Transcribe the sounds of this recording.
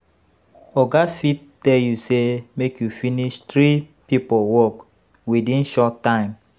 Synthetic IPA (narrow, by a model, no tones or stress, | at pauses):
ɔɡafitːɛljusemekjufiniʃtɹi | pipowɔk | widĩnʃɔtːãɪ̃m